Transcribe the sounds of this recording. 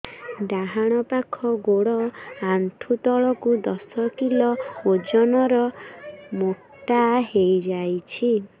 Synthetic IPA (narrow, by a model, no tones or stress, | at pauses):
d̪aɦaɽ̃ɔpakʰɔɡoɽɔant̪ʰut̪ɔɭɔkud̪ɔsɔkilɔod͡ʒɔnɔɾɔ | mok | ʈ̪aɦejd͡ʒajt͡ʃʰi